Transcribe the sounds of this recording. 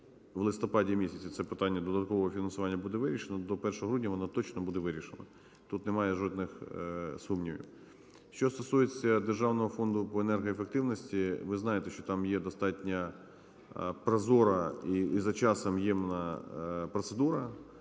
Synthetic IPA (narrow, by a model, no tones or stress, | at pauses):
ʋlˠɪst̪ɔpɑdʲimʲisʲɐt͡sʲit̪sɛpɪt̪ɑnʲːɐd̪ɔd̪ɐt̪̚kɔʋɔɦɔfʲinɐnsʊʋɑnʲːɐbud̪ɛʋɪɾʲiʃenɔd̪ɔpɛrʃɔɦɔɦɾudʲnʲɐʋɔnat̪ɔt͡ʃnɔbud̪ɛʋɪɾʲiʃenɐ̰ | t̪ut̪nemɑjɛʒɔd̪nɪxsumnʲiʋʲḭw | ʃt͡ʃɔst̪ɔsujet͡sʲːɐd̪erʒɑwnɔɦɔfɔnd̪ʊpɔenɛrɦɔefekt̪ɪʋnɔsʲtʲiʋɪznɑjet̪ɛʃt͡ʃɔt̪ɑmjɛd̪ɔst̪ɑtʲnʲɐ | pɾɐzɔɾɐizɐt͡ʃɑsɐmjɛmnɐpɾɔt̪sed̪uɾɐ